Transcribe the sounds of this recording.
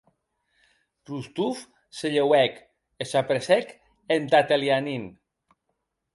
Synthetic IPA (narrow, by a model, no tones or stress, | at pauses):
pɾust̪uf | seʎewɛk | esapɾesɛk | ent̪at̪eljanin